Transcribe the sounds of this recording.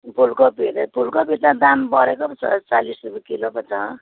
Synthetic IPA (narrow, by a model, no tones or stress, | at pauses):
pʰulkopid̪epʰulkopit̪ãd̪ambʌɾekopʌt͡sʰʌ̰t͡salisrubikilopʌt͡sʰʌ